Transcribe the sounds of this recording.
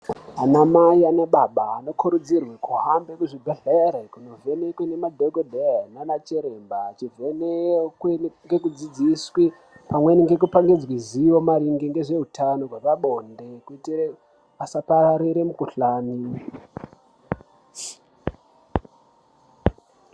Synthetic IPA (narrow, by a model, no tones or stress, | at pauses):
anamaianaɓaɓaːno̞kʰuɾud͡zirwikuɦambekuʐibʱeɮeɾekuno̞vʱe̞nekwenemadʱeɡodʱeananat͡ʃeɾe̞mbaːt͡ʃivʱenekŋɡe̞kud͡zid͡ziswi | pamwe̞niŋɡe̞k̬upaŋɡed͡zwiziʋo̞maɾiŋɡeŋɡe̞ʐe̞ɦutʰano̞rweʋaɓondekuitie | asapaɾaɾiɾemukuɬaːni